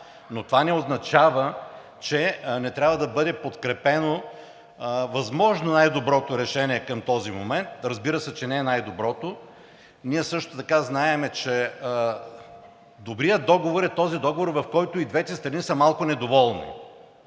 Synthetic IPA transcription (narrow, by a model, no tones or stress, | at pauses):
not̪ovanɛoznɐt͡ʃavə | t͡ʃɛnɛt̪ɾʲabvɐd̪ɐbɤd̪ɛpot̪kɾɛpɛno | vɐzmɔʒnonajd̪obɾɔt̪oɾɛʃɛnʲiɛkɐmt̪ɔzimo̰mɛnt̪ɾɐzbiɾəsɛt͡ʃɛnɛːnajd̪obɾɔt̪o | niɛsɤʃt̪ot̪ɐkaznaɛmɛt͡ʃɛ | d̪obɾijəd̪d̪ɔɡovoɾɛt̪ɔzid̪ɔɡovoɾvɐfkɔjt̪ʊid̪vɛt̪ɛst̪ɾɐnisəmalˠkʊnɛd̪ovɔlˠnḭ